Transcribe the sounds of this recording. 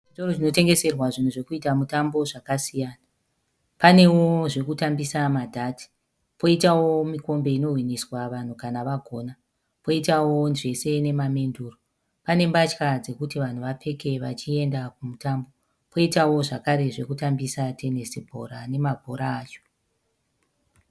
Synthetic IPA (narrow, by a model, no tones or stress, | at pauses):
itorot͡ʃino̞te̞ŋɡe̞se̞rwaʐin̤uʐe̞kuitamutambo̞ʐakasijaːna | pane̞woʐe̞kutambisamadʱati̥ | po̞itawo̞miko̞mbe̞ino̞ɦwiniswaʋan̤ukanaʋaɡʱo̞ːna | po̞itawo̞nʐe̞se̞ne̞mamenduːro | pane̞mbat͡ʃkad͡ze̞kutiʋan̤uʋapʰe̞ke̞ʋat͡ʃie̞ndakumutambo̞ | po̞itawo̞ʐakaɾe̞ʐe̞kutambisate̞nesibʱo̞̰ɾane̞mabʱoɾaːt͡ʃo̥